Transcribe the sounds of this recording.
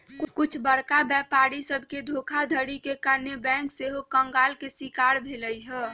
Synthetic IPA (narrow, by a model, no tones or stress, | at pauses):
kʊkʊt͡ʃʰbəɾkabɛpaɾisəbʱked̪ʱokʰad̪ʱəɾikekaɾnebɛ̃ŋkseɦokəŋɡalkesikaɾbʱeləjɦɛ